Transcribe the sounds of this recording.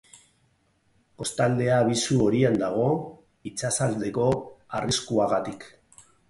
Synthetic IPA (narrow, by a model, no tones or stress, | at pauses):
ko̞st̪ald̪e̞aːβ̞isuo̞ɾiand̪aɣ̞o̞ | it͡sasald̪e̞ko̞ariskuaɣat̪ik